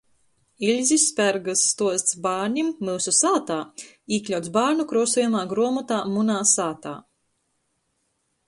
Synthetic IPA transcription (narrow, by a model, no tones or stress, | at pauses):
ilʲzʲisːpʲæɾɡɨsːt̪uɔsʲt̪sbaːɾɲʲimːɨlˠsusaːt̪aː | iːklʲawt̪sbaːɾnukɾuɔsujumaːɡɾuɔmɔt̪aːmunaːsaːt̪a̰ː